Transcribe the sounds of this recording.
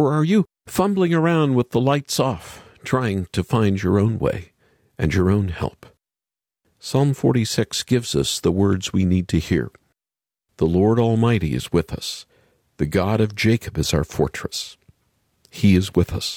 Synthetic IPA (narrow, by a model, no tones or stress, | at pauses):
ə˞ə˞jɨ | fʌ̃mblɪ̃ŋə˞ãʊ̃nd̚wəðəlaɪtsɔftʰɹ̥aɪɪ̃ŋtʰɨfãɪ̃nd͡ʒə˞õʊ̃nwḛɪ | ʔɨ̃njə˞õʊ̃nhɛ̰lˠp | sɑlˠɱfɔɹɾisɪksɡ̥ɪvz̥ʌsðəwɜ˞dzwinid̚tʰɨhḭɹ | ðəlɔɹɾɔlˠmaɪɾḭɨ̰zwɪðʌ̰s | ðɨɡɑɾʌvd͡ʒeɪkʰəbɨz̥aʊə˞fɔ̰ɹt͡ʃɹ̥ɨs | hiɨzwɪðʌ̰s